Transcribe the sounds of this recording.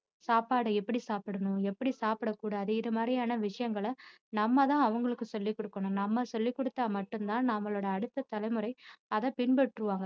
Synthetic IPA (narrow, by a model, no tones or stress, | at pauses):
saːpaːɽɯɛpːɐɽisaːpɪɽɐnʊ̃ɛpːɐɽisaːpɪɽɐkːuːɽaːðɯɪðɐmaːd̪ɾɪjaːnɐʋɪʂɐjɐŋɡɐɭɐ | nɐmːɐt̪ãːɐʋɐŋɡɐɭɯkːɯsɔlːikːɔɽɯkːɐɳʊ̃nɐmːɐsɔlːikːɔɽɯt̪ːaːmɐʈːɯmt̪ãːnɐmːɐɭoːɽɐːɽɯt̪ːɐt̪ɐlɐɪmɯɾɐɪɐðɐpɪnbɐʈːɾɯʋaːŋɡɐ